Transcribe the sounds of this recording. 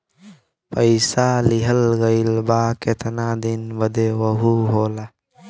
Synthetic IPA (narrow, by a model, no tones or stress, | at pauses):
pəjsaːliɦəlɣəjlbaːket̪naːd̪inbɐd̪ewɐɦuɦoːla